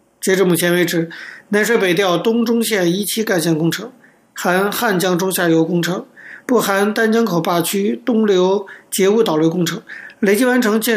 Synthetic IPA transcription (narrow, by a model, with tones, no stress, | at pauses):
t͡ɕjɛ˧˥ʈ͡ʂɻ̩˧˥˩mu˨˩t͡ɕʰjɛ˧˥nwe˧˥ɪʈ͡ʂɻ̩˨˩na˧˥nʂwe˧˥pe˨˩ɪt̪jɑ˥˩ʊt̪ʊ˥ŋʈ͡ʂʊ˥ŋɕjɛ˥˩ni˥t͡ɕʰi˥ka˥˩ɪɕjɛ˥˩nkʊ˥ŋʈ͡ʂʰɤ˧˥ŋ | xa˧˥nxa˥˩nt͡ɕjɑ˥ŋʈ͡ʂʊ˥ŋɕja˥˩jo˧˥ʊkʊ˥ŋʈ͡ʂʰɤ˧˥ŋpu˥˩xa˧˥nt̪a˥nt͡ɕjɑ˥ŋkʰo˨˩ʊpa˥˩t͡ɕʰy˥t̪ʊ˥ŋljo˧˥ʊt͡ɕjɛ˧˥u˥˩t̪ɑ˨˩we˧˥ɪkʊ˥ŋʈ͡ʂʰɤ˧˥ŋle˧˥ɪt͡ɕi˥wa˧˥nʈ͡ʂʰɤ˧˥ŋt͡ɕjɛ˥˧